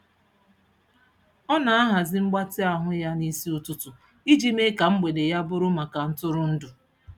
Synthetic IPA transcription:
ɔ˦na˨a˦ɦa˨zɪ˦ŋ͡m̩˦ɡ͡ba˦tɪ˦a˨ɦʊ˦ja˦ni˦si˦ʊ˨tʊ˦tʊ˨ | i˦d͡ʒi˦me˦ka˨ŋ͡m̩˦ɡ͡be˨de˨ja˦bʊ˦ɾʊ˦ma˨ka˨n̩˦tʊ˦ɾʊ˦n̩˦dʊ˨

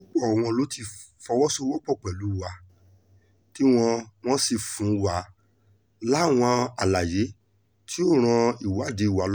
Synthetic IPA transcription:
ɔ˦k͡pɔ˦˨w̃ɔ̃˧lo˨˦ti˧˨ | fɔ˧wɔ˦so˦wɔ˦k͡pɔ˦˨k͡pɛ˨lu˨˦wa˧ | ti˦w̃ɔ̃˧w̃ɔ̃˦si˦˨fũ˨˦wa˨ | la˦˨w̃ɔ̃˧a˨la˨je˨˦ | tʰi˦o˦˨ɾ̃ã˧i˨wa˨˦˨de˨˧i˦˨wa˨˦l

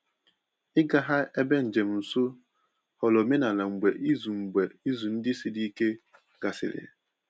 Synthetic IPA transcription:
ɪ˦ɡa˨ɦa˦e˦be˦n̩˨d͡ʒe˨m̩˨n̩˨sʊ˦ | hɔ˨lɔ˨me˦na˨la˨ŋ͡m̩˨ɡ͡be˨ʔi˦zu˨ŋ͡m̩˨ɡ͡be˨i˦zu˨n̩˦dɪ˦si˦di˦i˦ke˦ | ɡ̥a˨sɪ̰˨ɾɪ̰˨

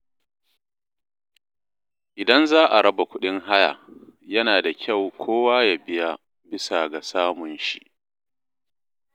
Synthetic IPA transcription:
ʔɪ˨dɐ˦nzaː˦ʔa˨ɽɐ˦ba˨kʷʊ˦ɗɪ˦ŋɦa˦ja̰˨jɐ˦naː˨da˨kʲʰa˦˨wkʷʰoː˦waː˦ja˨bɪ˦ja˦˨ | bɪ˦sa˨ɡa˨saː˦mʊ˨nʃi˦

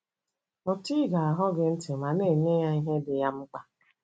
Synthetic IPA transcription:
ɔ˨ti˦ɡa˨a˨ɦɔ˦ɡɪ˦n̩˦tɪ˨ma˨ne˦˨neː˦ja˦i˦ɦe˦dɪ˨ja˦m̩˦k͡pa˦

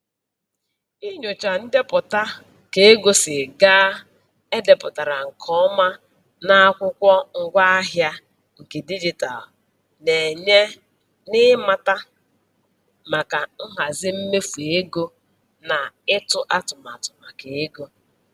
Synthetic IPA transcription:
i˦ɲʊ˨t͡ʃa˨n̩˦de˦pʊ˨ta˦ | ke˨e˦ɡo˦sɪ˨ɡaː˦ | e˦de˨pʊ˨ta˨ɾa˨ŋ̩˨kʰɔ˦ma˦ | na˦a˦kʷʊ˦kʷɔ˦ŋ̩˦ɡʷa˦a˦ɦja˦ | ŋ̩˨ke˨di˦d͡ʒi˦ta̰˨l | ne˨ɲe˦ | nɪ˦ma˦ta˦ | ma˨ka˨ŋ̩˦ɦa˨zɪ˦m̩˦me˦fu˨e˦ɡo˦ | na˨ɪ˦tʊ˦ʔa˦tʊ˨ma˨tʊ̥˨ma˨ke˨e˦ɡo˦

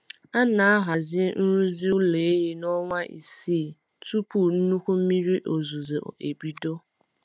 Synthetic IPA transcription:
a˦na˨a˦ɦa˨zɪ˦n̩˦ɾu˦zi˦u˦le˨e˦ji˦nɔ˦ŋʷa˦ʔḭ˨siː˦˨ | tu˦pu˦˨n̩˦nu˦kʷu˦m̩˦mi˦ɾi˦ʔo˨zu˨ze˨e˨bi˦do˦

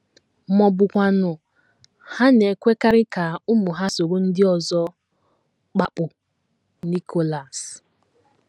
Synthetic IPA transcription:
mɔ˨bʊ˨kʷa˨nʊ˨ | ha˦ne˨kʷe˦ka˦ɾɪ˦ka˨ʊ˦mʊ˨ɦa˦so˨ɾʊ˦n̩˦dɪ˦ɔ˨zɔ˦ | k͡pa˦k͡pʊ˨ | ni˦kʰo˨la˨s

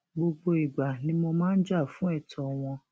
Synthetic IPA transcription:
ɡ͡bo˧ɡ͡bo˧i˨ɡ͡ba˨nĩ˨˦mɔ̃˧mãː˦n̩˦d͡ʒa˦˨fũ˨˦ɛ˦˨tʰɔ˨w̃ɔ̃˧

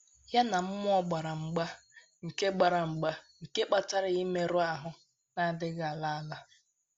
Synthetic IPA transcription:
ja˦na˨m̩˦mʊ˦ɔ˦ɡ͡ba˨ɾa˨ŋ͡m̩˨ɡ͡ba˦ | ŋ̩˨ke˦ɡ͡ba˨ɾa˨ŋ͡m̩˨ɡ͡ba˦ŋ̩˨ke˦k͡pa˨ta˦ɾɪ˨i˦me˦ɾʊ˦a˨ɦʊ˨ | na˦˨dɪ˦ɡa˦˨a˨la˦a˦la˦

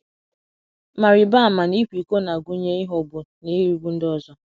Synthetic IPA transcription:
ma˨ɾɪ˨ba˦a˨ma˨ni˦kʷi˨ko˦na˨ɡu˦ɲe˦i˦ɦɔ˨bʊ˨ni˦ɾi˨˦ɡʷu˦n̩˦dɔ˨zɔ˦

